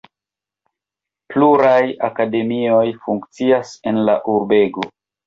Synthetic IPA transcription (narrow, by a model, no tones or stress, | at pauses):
pluɾaja̰kade̞mio̞jfuŋkt͡siasenla̰ʔuɾbe̞ɡo